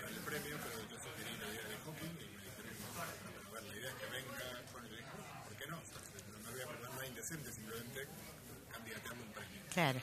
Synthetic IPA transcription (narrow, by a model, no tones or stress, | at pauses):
paɾelpɾemjopeɾoʒosuxeɾilaiðeaðexokiŋimeðisemimomalpaɾoβwenoβeɾlaiðeaekeβe̞ŋɡakonelekospoɾkeno̞sasenomeβojapeɾðaɾnoajind̪e̞sent̪es̬ĩmplement̪e | kambiat̪jald̪oumpɾemjoklaɾo